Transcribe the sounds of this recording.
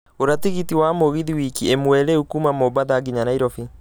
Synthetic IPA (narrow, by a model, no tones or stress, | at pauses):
oɾatiɣitiwamoɣiðiwikiemwɛɾeukumamobaðaɡiɲanaiɾɔfi